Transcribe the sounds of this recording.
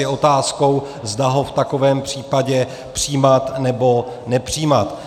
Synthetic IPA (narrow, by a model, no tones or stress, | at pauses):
ɛʔo̞t̪aːsko̞w | zdaɦo̞ft̪ako̞vɛːmpr̝̥iːpaɟɛ | pr̝̥iːmat̪nɛbo̞ | nɛpr̝̥iːmat̪